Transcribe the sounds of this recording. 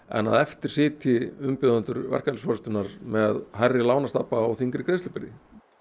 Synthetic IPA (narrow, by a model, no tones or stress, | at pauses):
ɛ̰nːa̰ðɛft̪ɪɾ̥sɪːt̪ʰɪʏmpɪðant̪ʏɾvɛ̰r̥kalsfɔɾʏst̪ʏnaɾ̥mɛðɦajrːɪlaːwnast̪apaɔɣθiŋkɾɪkɾeːst̪lpɪɾɪ̰